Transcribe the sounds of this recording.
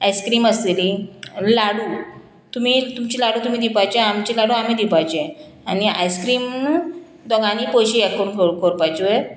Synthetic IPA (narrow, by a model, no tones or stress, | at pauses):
ajskɾiːməselilaɽu | t̪um̤it̪umt͡ɕilaɽũːt̪um̤id̪ipajt͡ɕeamt͡ɕilaɽuam̤iːd̪ipajt͡ɕẽ | ania̰jskɾiːm | d̪ɔɡaniːpoɕiɛkːəɾunkʰoɾkʰoɾpajt͡sue